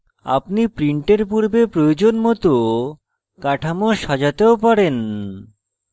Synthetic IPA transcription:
a̰pnipɾiɳʈeɾpuɾbepɾojod͡ʑonmɔt̪o | kaʈʰamoʃad͡ʑat̪eopaɾen

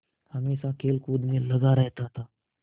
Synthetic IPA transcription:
həmesãkʰelkuːd̪meləɡaɾəɦt̪aɦt̪a

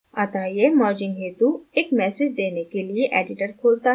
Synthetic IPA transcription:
at̪aɦijemɔːɾd͡ʒɪ̃ŋɡɦeːt̪ueːkmɛːsɪd͡ʒd̪eːnekelieʔɛ̰ːɖɪʈəɾkʰoːlt̪aɦ

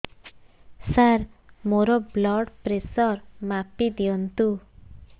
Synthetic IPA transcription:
saɾmoɾɔblɔɽpɾesɔɾmapid̪iɔnt̪u

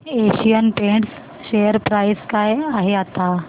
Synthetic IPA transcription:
eɕijənpẽɳʈs | ɕejəɾpɾajskajaɦeat̪a

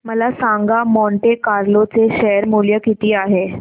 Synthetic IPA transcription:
məlasaŋɡamɔɳʈekaɾlot͡seɕɛəɾmuljəkit̪iːaɦe

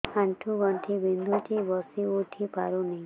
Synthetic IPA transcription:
ãɳʈʰuɡəɳʈʰibind̪ʱuʈʰibɔsiuʈʰipaɾunəĩ

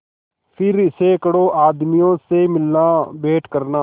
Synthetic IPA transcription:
pʰɪɾɪseːkɽoːʔaːd̪mijõːseːmɪlnaːbeːʈkəɾnaː

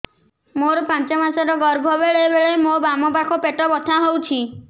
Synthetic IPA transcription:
moɾpãnt͡ʃɔmasɔɾɔɡɔɾbʱɔbeɭebeɭemobamɔpakʰɔpeʈɔbɔt̪ʰaɦowt͡ʃʰi

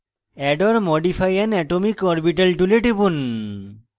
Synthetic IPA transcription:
ɛɖɔɾmɔɖipʰajɛnɛʈomikɔɾbiʈ̬alʈuleʈibun

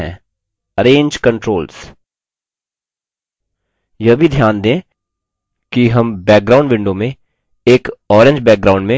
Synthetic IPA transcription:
ɛ̰̃ː | ɐɾẽːɲd͡ʒkɐ̃ɳʈɾoːls | jɐbʱid̪ʱjaːnd̪ẽː | kiɦɐmbɛːk̚ɡɾaːʊ̃ɳɖʋɪ̃ɳɖomẽ | eːkɔːɾẽɲd͡ʒbɛːk̚ɡɾaːʊ̃ɳɖmẽ

